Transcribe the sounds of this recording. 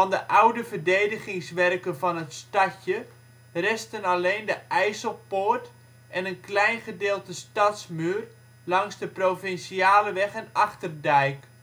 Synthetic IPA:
ɔndəʔawdəvərdejdəχɪŋsʋɛrkənfɑnətstacə | rɛstənaleːndəʔɛjsəlˠpoːrt | ɛnənklɛjnχədeːlˠtəstɑtsmyːr | lɑŋsdəprofɪnsiaːləʋɛχɛnɑxtərdɛjk

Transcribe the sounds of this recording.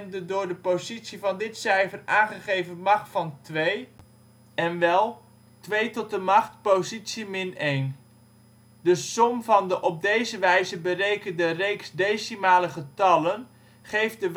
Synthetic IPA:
ndədʊːɹdəpozitsivɑndɪtsɛjfəraːnχəχejvənmɑχtfɑntʋej | ɛnʋɛlˠ | tʋejtɔt̚dəmɑχtpowzitsimɪnejn | dəsɔmvɑndəʔɔp̚dejzəʋɛjzəbərejkəndərejksdejsimaːləχətɑlən | χejfdəʋ

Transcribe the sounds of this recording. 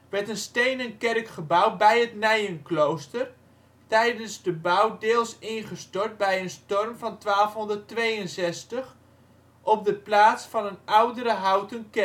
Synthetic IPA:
ʋɛɹtənstejnənkɛrkχəbawbɛjətnɛjənklowstər | tɛjdənzdəbawdɪːlˠsɪnχəstɔɹt̚bɛjənstɔrmvɑntʋaːlˠfɦɔndərtʋejənsɛstəχ | ʔɔp̚dəplaːtsfɑnənawdəɾəɦawtənkɛ

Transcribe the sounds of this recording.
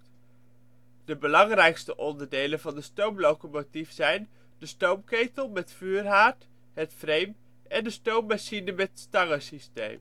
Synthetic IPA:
d̥əbəlɑŋrɛjkstəʔɔndəɹdejlənvɑndəstowmlowkomotifsɛjn | dəstowmkejtəlˠmɛtfyːrɦaːɹt | ɦətfrejm | ɛndəstowmːaʃinəmɛttstɑŋəsistḛjm

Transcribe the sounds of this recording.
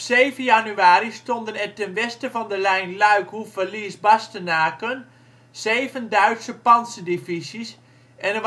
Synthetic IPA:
ɔpseːvənjanyaːɾistɔndənɛtɛnʋɛstəvɔndəlɛjnlœɥkhufəliəsbastənaːkən | z̥eːvəndœɥtsəpɑnsədifisis | ʔɛnə

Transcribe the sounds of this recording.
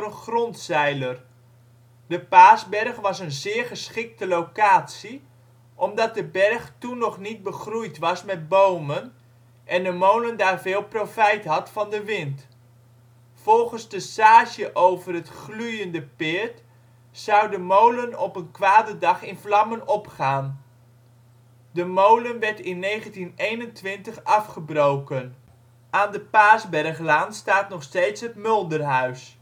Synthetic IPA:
ənχrɔntsɛjlər | dəpaːzbɛrχʋɑsənzɪːrχəsχɪk̚təlokaːtsi | ʔɔmdɑt̚dəbɛrχtunːɔχnit̚bəχrujtʋɑsmɛt̚bowmən | ʔɛndəmowləndaːrvɪːlˠprofɛjtɦɑtfɑndəʋɪnt | fɔlˠχənzdəsaːʃjəʔowvərɦətχlujəndəpɪːɹt | sʌwdəmowlənɔpənkʋaːdədɑχɪnflɑmənɔpχaːn | dəmowlənʋɛɹtɪnːejχəntinejnəntʋɪntəχɑfχəbrowkən | ʔaːndəpaːzbɛrχlaːnstaːtnɔχsteːtsɦətmɵlˠdərɦœɥs

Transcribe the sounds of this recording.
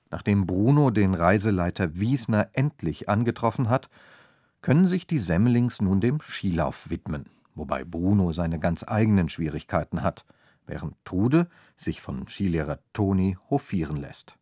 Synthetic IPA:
nʔa̰ːχd̥eːmbʁuːnodeːnʁaɪzəlaɪtʰɐviːsnɐʔɛntʰlɪçʔanɡətʁ̥ɔfn̩ɦat | kʰœnənzɪçd̥iːzɛmlɪŋsnuːndeːmʃiːla̰ʊfv̥ɪtmən | voba̰ɪbʁuːnozaɪnəɡant͡sʔa̰ɪɡənənʃv̥iːʁ̞ɪçkʰaɪtn̩at | vɛ̰ːʁəntʰːʁuːdə | z̥ɪçfɔnʃiːleːʁɐtʰoːnihofiːʁ̞ənlɛ̰st

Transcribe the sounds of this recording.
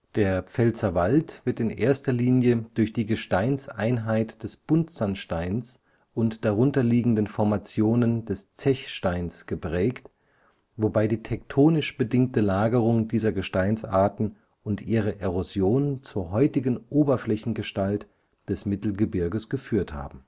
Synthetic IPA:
d̥eːɐp͡fɛlt͡sɐvaltv̥ɪɐtɪnʔḛːɐstɐliːnjəd̥ʊɐçd̥iːɡəʃtaɪnsʔa̰ɪnɦaɪtd̥ɛsb̥ʊntz̥anʃtaɪns | ʔʊntd̥aʁʊntɐliːɡŋ̩dənfɔɐmat͡sjoːnəndɛst͡sɛçʃtaɪnsɡ̥əpʁ̥ɛːkt | vobaɪdiːtʰɛk̚tʰoːnɪʃb̥ədɪŋk̚təlaːɡəʁ̞ʊŋdiːzɐɡəʃtaɪnsʔa̰ɐtn̩ | ʊntʔiːʁ̞əʔeʁozjoːnnt͡suːɐɦɔʏtɪɡn̩ʔoːbɐflɛçn̩ɡəʃtalt | d̥ɛsmɪtl̩ɡəbɪɐɡəsɡ̥əfyːɐtha̰ːbm̩

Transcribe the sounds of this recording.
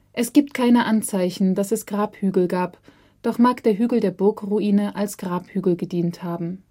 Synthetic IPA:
ʔɛsɡ̥iːp̚tkʰaɪnəʔant͡saɪçn̩dasɛsɡ̥ʁaːphyːɡl̩ɡaːp | d̥ɔχmaːkd̥eːɐɦyːɡl̩deːɐbʊɐkʁuiːnəʔalsɡ̥ʁaːphyːɡl̩ɡədiːnthaːbm̩

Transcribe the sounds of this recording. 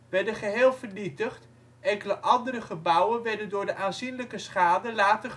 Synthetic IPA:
ʋɛɹdəχəɦeːlˠvəɹnitəχt | ɛŋkələʔɑndəɾəχəbʌwənʋɛɹdəndʊːɹdəʔaːnzinləkəsχaːdəlaːtə

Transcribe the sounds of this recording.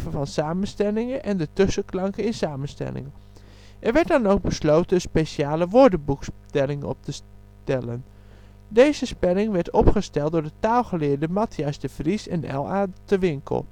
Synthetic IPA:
vəvɑnsaːmənstɛlɪŋəʔɛndətøsəklɑŋkəɪnsaːmənstɛ̰lɪ̰ŋə | ʔɛɹʋɛɹt̚dɑnowɡ̚bəslowtənnspeʃaːləʋʊɹdəbukstɛlɪŋɔ̰p̚təs | tɛlən | dejzəspɛlɪŋʋɛɹtʰɔpχəstɛlˠt̚dʊːɹdətaːlˠχəlɪːɹdəmɑtʰjɛsdəv̥risɛnɛ̰lˠaːtəʋɪŋkʰə̰lˠ

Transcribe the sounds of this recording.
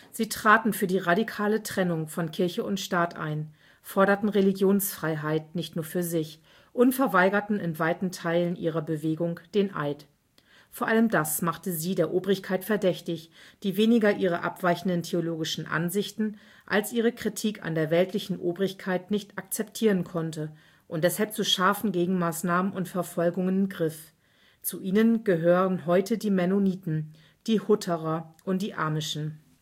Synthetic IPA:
z̥iːtʁ̥aːtn̩fyːɐdiːʁadikʰaːlətʁ̥ɛnʊŋfɔnkʰɪɐçəʊntʃtaːtʔa̰ɪn | fɔɐɾɐtn̩ʁeliɡjoːnsfʁ̥aɪɦaɪtnɪçtnuːɐfyːɐzɪç | ʔʊntfɛɐvaɪɡɐtn̩ɪnvaɪtn̩tʰaɪlənʔḭːʁ̞ɐbəveːɡʊŋd̥eːnʔa̰ɪt | foːɐʔaləmdasmaχtəziːdeːɐʔoːbʁɪçkʰaɪtfɛɐdɛçtɪçd̥iːveːnɪɡɐʔiːʁ̞əʔa̰pv̥aɪçn̩dəntʰeoloːɡɪʃn̩ʔa̰nzɪçtn̩ | ʔa̰lsʔiːʁ̞əkʁ̥itʰiːkʰa̰ndeːɐvɛltʰlɪçn̩ʔoːbʁɪçkʰaɪtnɪçtak̚t͡sɛp̚tʰiːʁənkʰɔntə | ʔʊntd̥ɛshalp̚t͡suʃaɐfn̩ɡeːɡŋ̩maːsnaːmənʊntfɛɐfɔlɡʊŋənɪmɡʁɪf | t͡suʔiːnənɡ̥əɦøːʁənɦɔʏtədiːmɛnoniːtn̩ | d̥iːhʊtʰəʁɐʔʊnt̚d̥iːʔa̰ɐmɪʃn̩

